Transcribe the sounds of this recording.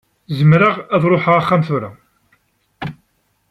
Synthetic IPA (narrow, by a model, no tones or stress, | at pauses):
zəmɾaʁæðɾˤoħaʁaχːamθʊɾa